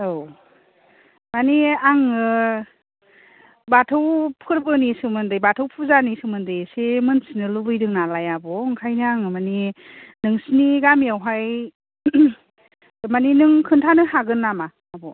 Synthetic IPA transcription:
ow | maniaŋɯ | batʰɯwpʰɯɾbɯnisɯmɯndɯjbatʰɯwpʰuzanisɯmɯndɯjsemɯnsinɯlubɯjdɯŋnalajabɔɯŋkʰajniaŋɯmaninɯŋsiniɡamiawɦaj | maninɯŋkʰɯntʰanɯhaɡɯnːamaːbɔ

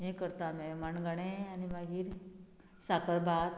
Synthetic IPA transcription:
ẽkəɾt̪amemɐnɡəɽ̃eanimãɡiɾ | saːkəɾbaːt̪

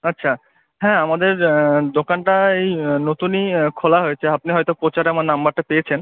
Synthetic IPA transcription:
atːɕʰa | ɦɛ̃amad̪eɾd̪okanʈaejnot̪unikʰolaɦojet͡ɕʰeap̚niɦɔjt̪opɾot͡ɕaɾamanambaɾʈapejet͡ɕʰen

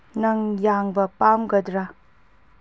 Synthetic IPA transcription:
nɐŋjaŋbɐpamɡɐdɾa

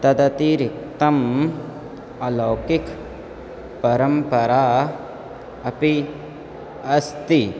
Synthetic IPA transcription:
t̪ɐd̪ɐt̪iɾik̚t̪ɐm | ɐloːkik | pɐɾɐmpɐɾaː | ɐpi | ɐst̪i

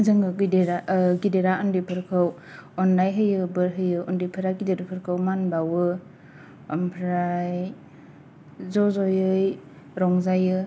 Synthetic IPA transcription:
zɯŋɯɡɯdeɾaɡideɾaɔndipʰɯɾkʰɯw | ɔnlajɦɯjɯbɯɾɦɯjɯɔndipʰɯɾaɡideɾɯpʰɯɾkʰɯwmanbawɯ | ɔmpʰɾaj | zɔzɔjɯj | ɾɔŋzajɯ

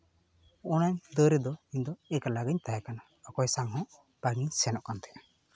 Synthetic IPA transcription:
ɔnaɲd̪əɾɛd̪ɔiɲd̪ɔɛkalaɡaɲt̪ajakana | ɔkɔjsaŋɦɔ̃ʔ | paŋiɲsɛnɔʔkant̪ɛʔa

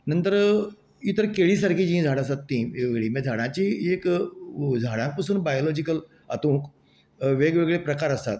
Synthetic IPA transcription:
nənt̪əɾ | it̪əɾkeɭiːsaɾkʰiːd͡ʑĩd͡zʱaɽ̃asat̪ːĩʋeɡɭiːmed͡zʱaɽãt͡ɕiːek | d͡zʱaɽ̃ãk̚pasuːnbajolɔd͡ʑikəl | a̰t̪ũk | ʋeɡʋeɡɭepɾəkaɾəst̪a̰t̪̚

